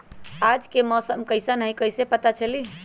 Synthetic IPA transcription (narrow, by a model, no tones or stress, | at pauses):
ad͡ʒkemɔsəmkəjsanəɦijkəjsepət̪at͡ʃʰəli